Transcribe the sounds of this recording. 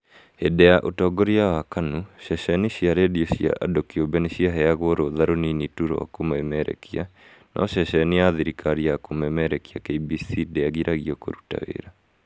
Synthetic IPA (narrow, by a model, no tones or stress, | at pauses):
hedɛaʔotɔːɡɔɾiawakanuʃɛʃɛniɕiaɾɛdioʃia̰ʔadokiobɛniʃiaɦɛaɣwɔɾoðaɾoninituɾɔ̰komɛmɛɾɛ̰kia | nʔɔ̰ʃɛʃɛniaðiɾikʰaɾiakomɛmɛɾɛkiakeibisidɛaɣiɾʔaɣiɔko̰ɾuta̰wḛɾa